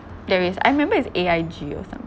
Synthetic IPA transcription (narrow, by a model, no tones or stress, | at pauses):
vɛɹiəsa̰ɪɹimɛ̃mbəɪseajd͡ʒio̰sã̰m